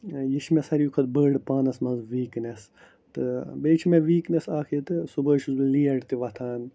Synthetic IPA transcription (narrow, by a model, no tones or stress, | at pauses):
jit͡ʃʰmesɐɾijukʰɐt̪bəːɖpaːnɐsmɐnzʋiːknes | t̪ɨbeːt͡ʃʰimeʋiːknesaːkʰit̪ɨsubɐːʃuzbiliɐɖt̪iʋɐt̪ʰaːn